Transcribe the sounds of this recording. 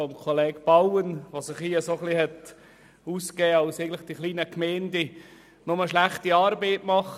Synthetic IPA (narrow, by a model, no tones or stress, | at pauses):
ɔmkʰolɛːɡb̥ɑwənʋosɪχhiːəsoχlihɛt | uːskɛːɑʊseɪɡən̩lɪχd̥iχliːnəkmɛɪndi | nʊməʃlæχtiɑːɾbeɪtmɑχ